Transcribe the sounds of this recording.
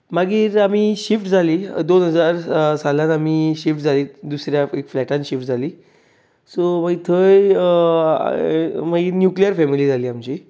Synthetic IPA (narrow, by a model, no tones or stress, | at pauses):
maɡiːɾamiːɕifʈd͡zʱaliːd̪onɦəd͡zaɾsalãnamiːɕifʈd͡zʱaliːd̪usɾjaekflɛʈãnɕifʈ̚d͡zʱaliː | somaɡit̪ʰəj̰ | maɡiːɾnjuklijəɾfɛmiliːd͡zʱaliːamt͡ɕi